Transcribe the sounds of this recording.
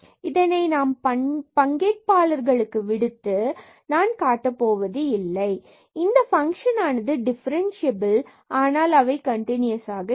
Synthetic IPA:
ɪðɐnɐɪnaːmpɐpɐŋɡeːʈ̚paːlɐɾɣɐɭɯkːɯʋɪɽɯt̪ːɯ | naːnkaːʈːɐpːoːʋɐðɯɪlːɐɪ | ɪnd̪ɐfɐŋkʂɐnaːnɐðɯɖɪfɐɾɐnsɪɐbɪl | aːnaːlɐʋɐɪkɐɳʈɪnɪjɐsaːɣɐ

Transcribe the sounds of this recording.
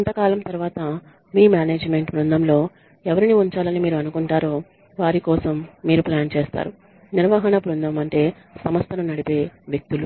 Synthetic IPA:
int̪ɐkaːlɐmt̪ɐɾuʋaːt̪ɐ | miːmjaːneːd͡ʒme̞ɳʈpɾund̪ɐmlo̞ː | ɛʋɐɾiniuɲt͡ʃaːlɐnimiːɾuɐnukuɳʈaːɾo̞ː | ʋaːɾikɔːsɐmːiːɾuplaːnt͡ʃeːst̪a̰ːɾu | niɾʋɐɦɐɳɐbɾund̪ɐmɐɳʈe̞ː | sɐmɐst̪ʰɐnunɐɽipe̞ːʋjek̚t̪ulu

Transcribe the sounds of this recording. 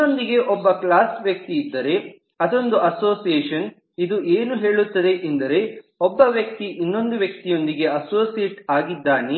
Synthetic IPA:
ond̪iɡe̞ʔɔbːɐklaːsʋjɐk̚t̪iːd̪ːɐɾe̞ | ɐd̪o̞nd̪uɐso̞ːsijeːʃɐn | id̪uʔeːnuɦe̞ːɭut̪ːɐd̪e̞ʔend̪ɐɾe̞ɔbːɐʋjɐk̚t̪iʔinːo̞nd̪uʋjɐk̚t̪ijo̞nd̪iɡe̞ɐsoːsijeʈaːɡid̪ːaːne

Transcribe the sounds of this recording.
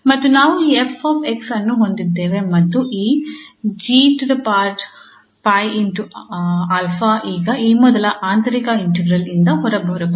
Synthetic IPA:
mɐt̪ːunaːʋuiːepʰːoːpʰeksɐnːuɦond̪id̪ːeːʋe̞mɐt̪ːuʔiːd͡ʒiːʈud̪ɐpaːɾʈ | paːjiɳʈuɐlpʰaʔiːɡɐʔiːmɔd̪ɐlɐʔaːnt̪ɐɾikɐiɳʈeɡɾɐlind̪ɐɦɔɾɐbɔɾɐb

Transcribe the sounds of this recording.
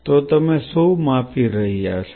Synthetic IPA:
t̪oːt̪ɐmẽsomaːpʰiɾɐɦia̰ːs

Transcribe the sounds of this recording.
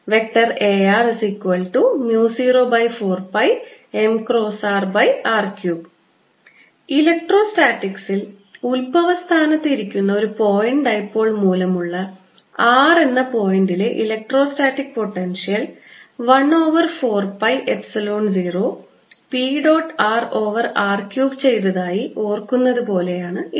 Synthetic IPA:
ʋe̞k̚ʈːɐre̞ːaːresikːuʋɐlʈumjuːsiːroːbɐjfo̞ːrpɐje̞mkro̞ːsaːrbɐjaːrkjuːb | ilek̚ʈro̞ːsʈaːʈːiksil | ulbʱɐʋɐst̪ʰaːnɐt̪ːiɾikʲːunːɐo̞ɾupo̞ːjiɳɖɐjpːo̞ːɭmuːlɐmuɭːɐ | aːre̞nːɐpo̞ːjɳɖile̞ʔilek̚ʈro̞ːsʈaːʈːikːpo̞ʈːenʂijɐlʋɐɳo̞ːʋɐrfo̞ːrpɐjʔe̞psɐloːnd͡ʑiːro̞ | piɖo̞ːʈːaːro̞ːʋɐraːrkjuːɡt͡ɕe̞jt̪ɐðaːjiʔo̞ːrkːunːɐðɨpo̞ːle̞jaːɳɨ

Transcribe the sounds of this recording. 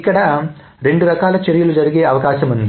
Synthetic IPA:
kːɐɽɐ | ɾeɳɖuɾɐkaːlɐt͡ʃɐɾijɐlud͡ʒɐɾɐɡejɐɐʋɐkaːʃɐmɐnd̪i

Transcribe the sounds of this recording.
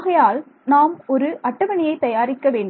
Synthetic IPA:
ɣɐjaːl | naːmɔɾɯʔɐʈːɐʋɐɳɪjɐɪt̪ɐjaːɾɪkːɐʋeːɳɖ

